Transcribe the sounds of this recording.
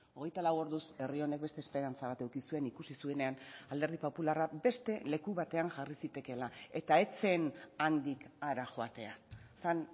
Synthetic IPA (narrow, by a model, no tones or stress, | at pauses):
o̞ɣ̞e̞jt̪alawo̞ɾðuse̞rio̞ne̞k̚bet̪eːspe̞ɾant͡saβat̪ewkisue̞nikusisue̞ne̞anald̪e̞ɾðipo̞pularabe̞st̪e̞le̞kuβat̪e̞aŋʝarisit̪e̞ke̞lae̞t̪ae̞t͡se̞nand̪ikaɾaʝo̞at̪e̞asan